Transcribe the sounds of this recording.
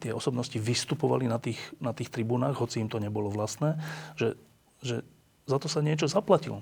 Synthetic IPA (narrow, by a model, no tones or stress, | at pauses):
t̪ɪɛɔsɔbnɔsciʋist̪upɔʋa̰linat̪iːxnat̪iːxt̪ɾibuːnaːɣɦɔt͡siːmt̪ɔɲɛbɔlɔʋlast̪nɛːʒɛ | ʒɛ | zat̪ɔsaɲɪɛt͡ʃɔzaplacḭl